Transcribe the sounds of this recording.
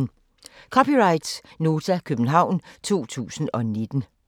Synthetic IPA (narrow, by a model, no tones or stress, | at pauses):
n | kʰɒ̽piʁɑ̈ɪd̥sno̝ːt͡sʰækʰøb̥n̩ɦɑ̈ʊ̰nt͡sʰo̝̰ːt͡sʰṵːsn̩ɒ̽ne̝d̥n̩